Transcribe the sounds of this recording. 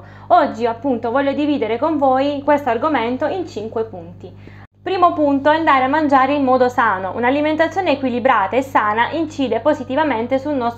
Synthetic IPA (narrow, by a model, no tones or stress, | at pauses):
ɔd͡ʒːiapːunt̪ovɔʎːod̪iviːd̪eɾekoɱvoːjkwest̪oarɡoment̪oint͡ʃiŋkwepunt̪i | pɾiːmopunt̪oɛand̪aːɾeamːand͡ʒaːɾeinːɔːd̪osaːnoʔṵnaliment̪at̪sːjoːneːkwilibɾaːt̪aesːaːnaʔint͡ʃiːd̪epozit̪ivament̪esulnɔst̪